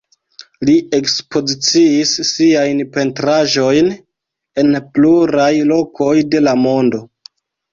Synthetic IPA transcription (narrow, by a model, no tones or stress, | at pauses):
lie̞kspo̞zit͡siːsːiajnpe̞ntɾaʒo̞jn | e̞npluɾajlo̞kʰo̞jde̞lamo̞ndo̞